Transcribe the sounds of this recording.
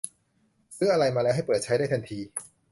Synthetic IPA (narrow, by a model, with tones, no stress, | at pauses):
sɯː˦˥ɐʔa˧ɾa˧jmaː˧lɛː˦˥wɦa˥˩pɤː˨˩t̪̚t͡ɕʰa˦˥jdaː˥˩jt̪ʰa˧nt̪ʰiː˧